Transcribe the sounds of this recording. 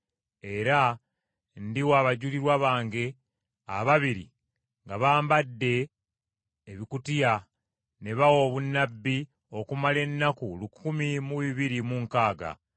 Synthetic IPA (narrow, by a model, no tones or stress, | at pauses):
e̞ɾa | ndiwaːβaɟuliɾwaβaːŋɡe̞ | a̰βaβiɾḭ | ŋɡaβaːmbadːe̞ | βikutija | ne̞βawo̞βunːabːi | o̞kumale̞nːakulukʰumimuβiβiɾimuŋkaːɡa̰